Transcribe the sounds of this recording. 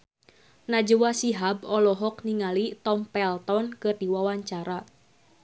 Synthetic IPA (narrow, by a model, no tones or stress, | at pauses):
nad͡ʒuwasiɦabɔlɔɦɔkniŋalit̪ɔmpɛlt̪ɔnkɨrdiwawaɲt͡ʃaɾa